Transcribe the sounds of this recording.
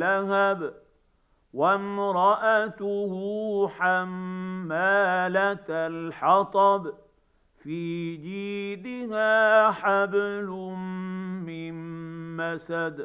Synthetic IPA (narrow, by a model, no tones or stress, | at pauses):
aɦab | wamɾˤɑʔat̪ʊhħamːaːlat̪lħɑt̪ˤɑb | fiːd͡ʒiːd̪ɪhaːħablʊ | mɪnmasad̪